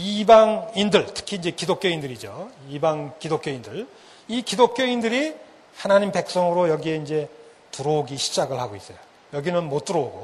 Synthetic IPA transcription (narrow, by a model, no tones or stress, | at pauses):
ibaŋindɯɭtʰɯ̥kʰiːnd͡ʑe̞kidok͈joindɯɾid͡ʑoibaŋkidok͈joindɯɭ | ikidok͈joindɯɾi | hanaɲimpe̞k̚s͈ʌŋɯɾojʌɡie̞ind͡ʑe̞ | tuɾoɡiɕʰi̥d͡ʑaɡɯɭhaɡois͈ʌjo | jʌɡinɯnmot͈ɯɾooɡo